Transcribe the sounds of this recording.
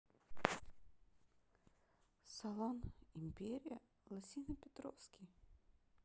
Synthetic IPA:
sɐlˠɔnimʲpʲeɾʲɪjɐ | lˠɐsʲinɐpʲɛt̪ɾɔ̰wskʲij

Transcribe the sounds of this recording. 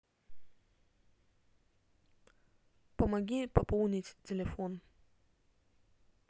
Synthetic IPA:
pɐmɐɡʲipɐpolˠnʲɪtʲtʲɪlʲɪfon

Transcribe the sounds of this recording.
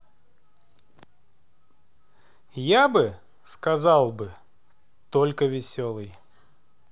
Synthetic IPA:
jabɨ | skɐzalˠbɨ | t̪olʲkəvʲɪsʲolˠɨj

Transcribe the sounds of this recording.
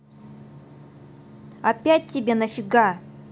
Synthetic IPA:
ɐpʲæt̚ʲtʲːɪbʲe̞nɐfʲiɡa

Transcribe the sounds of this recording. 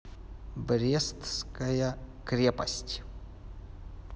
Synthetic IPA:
bɾʲest̪skɐjɐkɾʲepɐsʲtʲ

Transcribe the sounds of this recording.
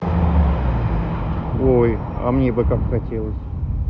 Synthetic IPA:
oj | ɐ̰mnʲe̞bɨkakxɐtʲelˠəsʲ

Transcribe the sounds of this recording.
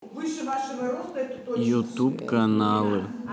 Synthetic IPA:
vɨʂɨvaʂɨvɐɾost̪ɐɛt̪ojut̪upkɐnalˠɨ

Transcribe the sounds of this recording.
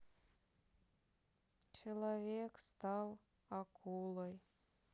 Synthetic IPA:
t͡ʃelˠovʲekst̪ɑlˠ | ɑkʰulˠoj

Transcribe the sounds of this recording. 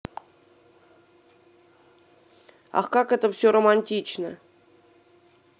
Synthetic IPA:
ɑ̰χkɑkɛt̪əfsʲoromɑnʲtʲit͡ɕnə

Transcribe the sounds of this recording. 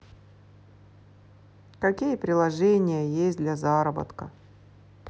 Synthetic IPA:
kɐkʲijəpɾʲɪlˠɐʐɛnʲɪjəjesʲtʲd̪lʲɐzaɾəbə̰t̪kə

